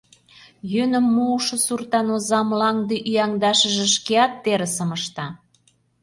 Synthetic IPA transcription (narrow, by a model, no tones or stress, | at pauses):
jønə̆mːuːʃŏsurt̪ɑnozɑmlɑŋd̪eʔyjɑŋd̪ɑʃə̆ʒĕʃkeɑt̪ːeɾə̆səmə̆ʃt̪ɑ